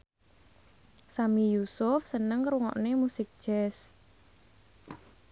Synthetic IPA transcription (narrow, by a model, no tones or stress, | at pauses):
samijusʊfsənəŋkɾuŋɔ̰ʔnemusɪk̚d̥ʒ̥ɛs